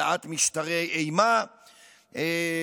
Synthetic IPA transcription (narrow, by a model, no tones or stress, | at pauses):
at̪miʃt̪aʁejʔejma | e